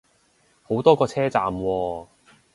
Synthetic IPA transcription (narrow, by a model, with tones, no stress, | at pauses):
ho˨˥wt̪ɔː˥kɔː˧t͡sʰɛː˥t͡saː˨˩mwɔː˧